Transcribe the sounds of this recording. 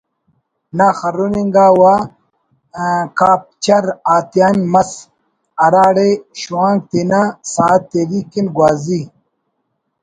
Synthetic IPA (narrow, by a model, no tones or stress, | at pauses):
naxɐɾuniŋɡaːwa | kaːp̚t͡ɕɐɾaːt̪jaːnmɐs | ɐɾaːɽeɕuwãːŋɡ̚t̪inasaːt̪ːeɾikinɡwaːzi